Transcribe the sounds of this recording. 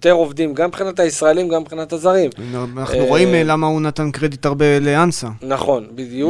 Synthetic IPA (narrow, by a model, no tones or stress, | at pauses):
t̪eʁovd̪imɡambχinat̪haisʁaelimɡambχinat̪hazaʁimanaχnuʁo̞imlamaunat̪ankʁed̪it̪aʁbe̞leansanaχo̞nbid̪ju